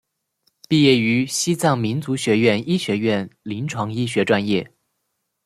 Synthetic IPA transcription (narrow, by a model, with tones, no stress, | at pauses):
pi˥˧jɛ˥˩y˧˥ɕi˥t͡sɑ˥˩ŋmi˧˥nt͡su˧˥ɕɥɛ˧˥ɥɛ˥˧ni˥ɕɥɛ˧˥ɥɛ˥˩nli˧˥nʈ͡ʂʰwɑ˧˥ŋi˥ɕɥɛ˧˥ʈ͡ʂwa˥˧njɛ˥˩